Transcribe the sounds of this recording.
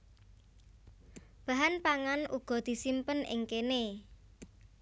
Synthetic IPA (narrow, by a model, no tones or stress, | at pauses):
b̥a̤ɦanpaŋanuɡ̥ɔ̤d̪̥i̤simpənɪ̰ŋkene